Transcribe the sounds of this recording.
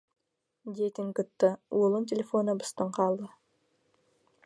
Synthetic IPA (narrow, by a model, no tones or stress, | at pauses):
d̪ʲet̪ɪŋkʊt̪ːəulˠəntʲelʲefonəbə̥st̪əɴqɑlˠd̪ə